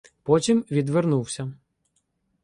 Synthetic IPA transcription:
pɔtʲimʋʲid̪ʋernuwsʲɐ

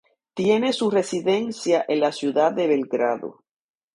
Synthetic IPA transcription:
t̪je̞ne̞sure̞siðe̞nsjaʔe̞nlasjuðaðe̞βe̞lɡɾaðo̰

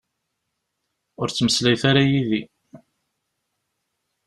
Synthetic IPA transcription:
ʊɾt͡sːməslæjθaɾajiði

